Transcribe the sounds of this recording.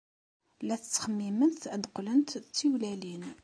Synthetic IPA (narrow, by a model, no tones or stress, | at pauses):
læθət͡sːχəmːimənθəd̪qlənt̪t͡sːiwlælin